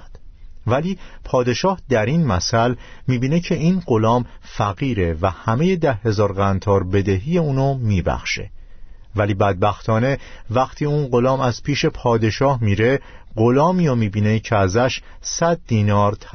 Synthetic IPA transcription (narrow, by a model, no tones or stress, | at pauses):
d̪̥væliːpʰɒːd̪e̞ʃɒːhd̪æɾiːnmæsælmiːbiːne̞cʰe̞iːnɢo̞lɒːmfæɣiːɾe̞væhæme̞je̞d̪æhːe̞zɒːɾɢænt̪ʰɒːɾbe̞d̪eɦiːje̞uːnomiːbæ̰xʃe̞̰ | væliːbæd̪̚bæxt̪ʰɒːne̞væxt̪ʰiːuːnɢo̞lɒːmæzpʰiːʃe̞pʰɒːd̪e̞ʃɒːhmiːɾe̞ | ɢo̞lɒːmiːɒmiːbiːne̞cʰeæzæʃ | sæd̪ːiːnɒːɾt̪ʰ